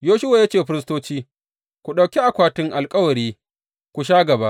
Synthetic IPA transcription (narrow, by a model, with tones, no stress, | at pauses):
joː˦ʃʊ˦wa˨ja˦t͡ʃeː˨ɸɪ˦ɾɪ˦s̬toː˦t͡ʃiː˦ | kʷu˨ɗɐ˨wkʲi˦ʔa˨kʷaː˦tɪ˦ŋʔa˨lkʼɐ˦wɐ˨ɾiː˦ | kʷu˨ʃ̬aː˦ɡɐ˨baː˦ʔ